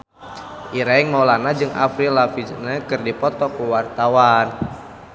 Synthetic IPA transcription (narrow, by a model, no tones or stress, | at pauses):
ʔiɾaiŋmɔlanad͡ʒɨŋa̰fɾilafid͡ʒnakɨrdipɔt̪ɔkuwart̪awan